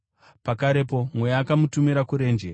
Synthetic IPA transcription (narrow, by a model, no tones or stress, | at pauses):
pakaɾe̞po̞mwe̞jaːkamutumiɾakuɾe̞ːnd͡ʒe